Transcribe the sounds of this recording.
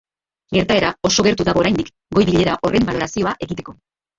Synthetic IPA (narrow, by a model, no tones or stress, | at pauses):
ɡe̞ɾt̪ae̞ɾao̞so̞ɣe̞ɾt̪uðaɣo̞ɾajnd̪ik | ɡo̞jβiʎe̞ɾaʔo̞re̞mbalo̞ɾasio̞aʔe̞ɣit̪e̞ko̞